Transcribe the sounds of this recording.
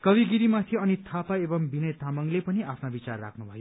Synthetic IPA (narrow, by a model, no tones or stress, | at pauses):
kʌbiɡiɾimat̪ʰiʌnit̪ʰapaebʌmbinʌjt̪ʰamʌŋlepʌniʔapʰnabit͡sarːa̰kʰnubʱʌjo